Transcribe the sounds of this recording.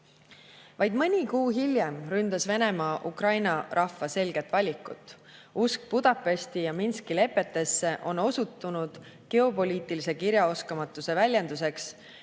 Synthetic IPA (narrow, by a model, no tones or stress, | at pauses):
vɑjd̪̥mɯnʲikuːɦilʲjemrynd̪̥ɑsve̞ne̞mɑːʔukrɑjnɑɾʔɑfːɑse̞lɡ̥e̞t̪ːˑvɑlʲikːˑṵt̪ːˑ | usk̚pud̪̥ɑpːˑe̞st̪ijɑminskile̞pːˑe̞t̪ːe̞sːe̞ʔo̞no̞sut̪ːˑunud̪̥ | ke̞o̞po̞lʲiːt̪ːˑilise̞kiɾjɑo̞skɑmɑt̪ːˑuse̞vælʲjend̪̥us̬e̞ks